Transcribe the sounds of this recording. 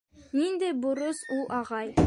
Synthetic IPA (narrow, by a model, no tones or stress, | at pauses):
nind̪æjbŏɾɤsulˠʔɑʁɑj